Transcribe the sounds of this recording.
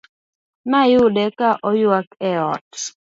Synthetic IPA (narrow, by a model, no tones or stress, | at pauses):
majʊdɛkaʔɔjwakɛɔt